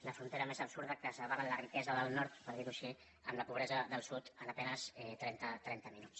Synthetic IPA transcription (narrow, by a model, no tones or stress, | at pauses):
ləfɾunt̪eɾəmezəpsuɾðəkəsəβaɾələrikɛzəðəlˠnɔɾt̪pəɾðiɾuʃi | əmləpuβɾɛzəðəlˠsut̪ənəpɛnəsɛt̪ɾɛnt̪ət̪ɾɛnt̪əminut͡ss